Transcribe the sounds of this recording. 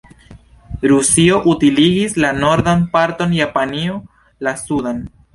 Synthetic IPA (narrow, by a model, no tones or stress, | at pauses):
ɾusio̞ʔutiliɡislano̞ɾdanpaɾto̞njapanio | lasudan